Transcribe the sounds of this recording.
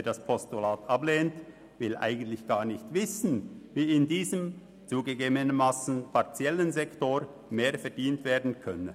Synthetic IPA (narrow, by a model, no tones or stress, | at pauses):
d̥aspʰɔstulaːtableːnt | vɪlʔa̰ɪɡən̩tlɪçɡ̥aːʁnɪçtv̥ɪsn̩viːɪndiːzəm | t͡suːɡəɡeːbənənmaːsn̩pʰaɐt͡sjɛlənzɛktoɾ | meːɐfɛɐdiːntv̥eːɐdn̩kʰœnə